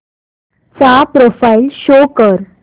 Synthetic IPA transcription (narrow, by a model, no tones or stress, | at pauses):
sapɾofailɕokəɾ